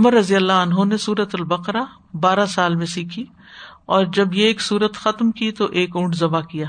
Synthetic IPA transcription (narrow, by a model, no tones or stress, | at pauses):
ʊməɾːɐzijəlːaɐnɦonesuːɾət̪ʊlbɐqɾa | baːɾasaːlmẽsiːkʰi | ɔːɾd͡ʒɐbjeeːksuːɾət̪xɐt̪mkit̪oʔeːkʊ̃ːʈʰzɐbakijaː